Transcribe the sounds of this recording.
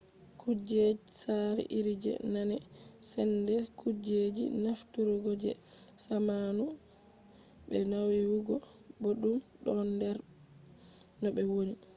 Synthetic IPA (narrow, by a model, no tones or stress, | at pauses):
kʰud͡ʒeisaɾḭʔiɾid͡ʒɛ̰nanɛ | sɛndɛkʰud͡ʒed͡ʒḭnaftuɾɔɡɔd͡ʒɛ̰ | samanu | bɛnawiwuɡɔ | boɗum | ɗɔndɛɾ | nɔbɛwoni